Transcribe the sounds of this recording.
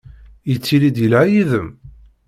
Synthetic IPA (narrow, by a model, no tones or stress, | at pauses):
jət͡sːiɾid̪jəlʕajiðəm